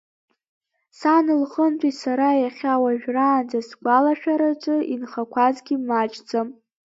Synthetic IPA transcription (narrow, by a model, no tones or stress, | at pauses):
sanɨlχəntʷʰʼisaɾajaχʲawaʒᶣraːnd͡zasɡʷalaʃᶣaɾat͡ʃʷʼɨinχakʷʰazɡʲimat͡ʃʼd͡zʼam